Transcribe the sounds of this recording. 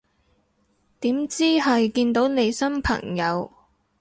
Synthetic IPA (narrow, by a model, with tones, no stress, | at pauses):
t̪iː˨˥mt͡siː˥ɦɐ˨jkiː˧nt̪o˨˥wne˨˧jsɐ˥mpʰɐ̰˨˩ŋjɐ˨˧w